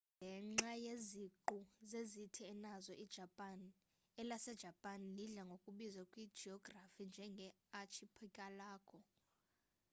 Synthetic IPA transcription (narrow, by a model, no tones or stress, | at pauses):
ŋɡʱɛŋ͡ǁajeziǃuzezitʰiɛnazɔʔid̥ʒ̥ʱapʼan | ɛlasɛd̥ʒ̥ʱapʼanliɮaŋɡʱokʼuɓizakʼwid̥ʒ̥ʱiɔɡ̥rafind͡ʒʱɛŋɡʱɛ | at͡ʃʰipʰɛkʼalaːkʰʼɔ